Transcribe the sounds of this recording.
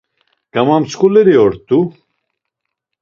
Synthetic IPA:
ɡ̥amamt͡skʼulɛɾiɔɾt̪ʼu

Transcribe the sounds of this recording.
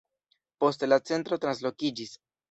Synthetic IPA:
po̞stlat͡se̞ntɾo̞tɾans̬lo̞kid͡ʒis

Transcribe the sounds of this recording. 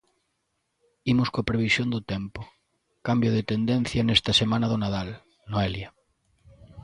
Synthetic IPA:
imʊskopɾeβ̞isjõnd̪ʊt̪empo | kambjoð̞et̪end̪en̟θjanest̪asemãnaðonað̞al | noelja

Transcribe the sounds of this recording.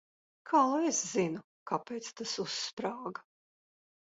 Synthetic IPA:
kʰaːlˠeszinu | kapeːt̪st̪asusːpɾaːɡɐ

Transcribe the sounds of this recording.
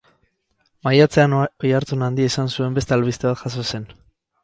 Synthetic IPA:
majat͡se̞anojaɾt͡sunand̪iaisansue̞mbe̞st̪ealβist̪e̞βat̪ʝaso̞se̞n

